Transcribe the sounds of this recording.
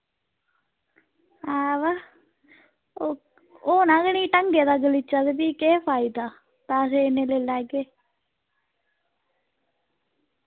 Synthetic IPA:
aːʋa | o | oːnãːɡəniːʈəŋɡjeːd̪aːɡəlit͡ʃːaːd̪ebiːkeːpʰaːɪd̪aː | t̪aːəseɪneːleːlaːɡeː

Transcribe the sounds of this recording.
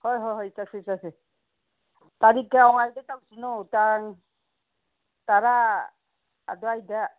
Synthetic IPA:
hɔjɦɔjɦɔjsasɛsasɛ | taɾikɛɔŋajdɛtawsinɔtaŋ | taɾa | dɔajda

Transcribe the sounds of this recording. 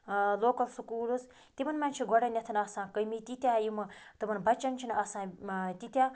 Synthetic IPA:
loːkɐlsukuːluz | t̪ibɐnmant͡ʃʰiɡʱɔɽɐnʲɐt̪ʰɐnɐsãːkəjmit̪it̪ʲjaːjimɐt̪ɨmɐnbɐt͡ʃɐnt͡ʃʰinɐsãːt̪it̪ʲa

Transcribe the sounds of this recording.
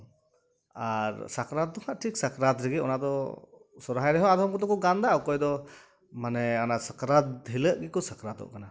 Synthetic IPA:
aɾsakɾat̪̚d̪ɔŋaʔʈʰiksakɾat̪ɾɛɡɛɔ̰naʔd̪ɔ | sɔɾɦajɾɛɦɔad̪ɔmkɔt̪ɔkɔɡand̪aɔkɔjd̪ɔ | manɛanasakɾat̪ɦiləʔɡɛkɔsakɾat̪ɔ̰ʔkana

